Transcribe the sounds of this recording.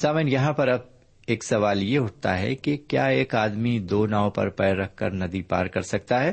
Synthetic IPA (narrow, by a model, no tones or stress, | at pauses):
saːmenjɐɦãpɐɾɐb̚ | eːksɐʋaːljeɦʊʈ̚t̪a̰ɦɛ̰kekjaːeːkaːd̪mid̪oːnaːõpɐ̰ɾpɛːɾɐkʰkɐ̰ɾnɐd̪ipa̰ːɾkɐɾsɐk̚t̪aɦɛː